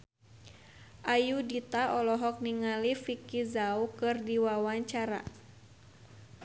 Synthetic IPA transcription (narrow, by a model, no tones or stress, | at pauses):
ʔajudit̪aʔɔlɔɦɔk̚niŋalifikizaukɨrdiwawaɲt͡ʃaɾa̰